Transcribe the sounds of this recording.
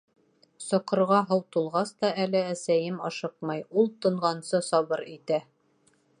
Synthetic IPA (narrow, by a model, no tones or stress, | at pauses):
sŏqɤ̆ɾʁɑɦɑwt̪ulˠʁɑst̪ɑʔælɘæsæjɘmɑʃɤq̚mɑjulˠt̪ɤ̆ɴʁɑnsɤsɒβɤɾit̪æ